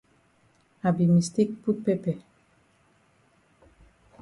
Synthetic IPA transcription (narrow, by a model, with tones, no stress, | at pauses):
a˨bi˨mi˨st̪i˦k̚pu˦pe˦pɛ˨